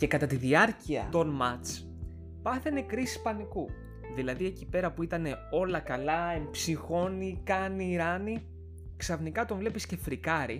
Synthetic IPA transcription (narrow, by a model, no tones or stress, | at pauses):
ce̞kɐt̪ɐt̪iðiɐɾciɐ̰t̪o̞nmɐt͡s | pɐθene̞kɾisi̥spɐniku | ðilɐðie̞cipe̞ɾɐpuit̪ɐne̞o̞lɐkɐlɐe̞mbsixo̞nikɐniːɾɐni | ksɐfnikɐt̪o̞ɱvle̞pisce̞fɾikɐɾi